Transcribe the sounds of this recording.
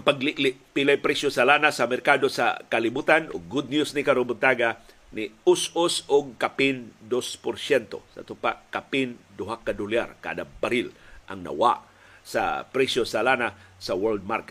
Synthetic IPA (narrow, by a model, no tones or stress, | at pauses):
ŋpaɡliʔlɪpilajpɾɛsjosalanasɐmɛɾkaːd̪osa̰kalɪbuːt̪anoɡːʊd̪̚njusnɪkaɾʊbʊt̪aɡa | nɪʊsʊsʊɡ̚kapind̪ospʊɾsjɛnt̪o̰sɐ̰t̪ʊpakapɪnd̪ʊɦakːad̪ʊlja̰ɾka̰ːd̪abaɾilʔɐŋnɐ̰wa̰ʔ | sɐ̰pɾɛsjosalanasɐwɛɹld̪̚maɾkɛt̪̚